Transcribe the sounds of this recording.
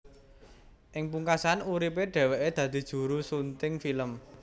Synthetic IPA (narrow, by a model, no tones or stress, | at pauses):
ʔɪŋpuŋkasanuɾipeɖ̥ɛ̤weʔed̪̥ä̤d̪̥i̤d̥ʒ̥ṳɾusunt̪ɪŋfiləm